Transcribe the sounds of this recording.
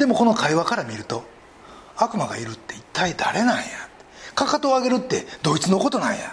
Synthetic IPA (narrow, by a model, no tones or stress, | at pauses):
d̪̥e̞mo̞ko̞no̞kʰaiβakaɾamʲiɾɯ̟t̪o̞ | akɯ̟maɡa̰iɾɯ̟t̪ːe̞it̪ʰːaid̪aɾe̞naijat̪e̥kakat̪oːaɡe̞ɾɯ̟t̪ːe̞d̪o̞it͡sɨno̞ko̞t̪o̞nãɰ̃ja